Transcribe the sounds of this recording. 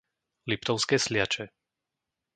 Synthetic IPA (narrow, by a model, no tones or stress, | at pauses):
lip̚t̪ɔʊskɛːslɪat͡ʃɛ